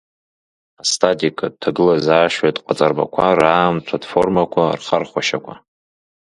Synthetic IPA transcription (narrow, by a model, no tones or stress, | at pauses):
astʰʼatʼikʼatʰaɡɨlazaːʃatʼqʼat͡sʼarba̰kʷʰaraːmt͡sʷʰadfo̞rmakʷʰarχarχʷaʃakʷʰa